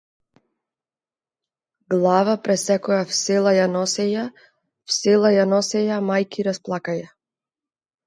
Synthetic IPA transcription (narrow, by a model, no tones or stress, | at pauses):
ɡlˠavapɾɛsɛkɔjafsɛlˠajanɔsɛja | fsɛlˠajanɔsɛjamajkiɾasplˠakaja